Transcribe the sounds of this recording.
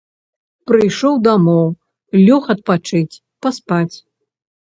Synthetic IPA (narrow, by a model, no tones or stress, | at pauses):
pɾɨjʂɔwd̪amɔw | lʲɔxɐt̪̚pat͡ʂɨt͡sʲ | paspat͡sʲ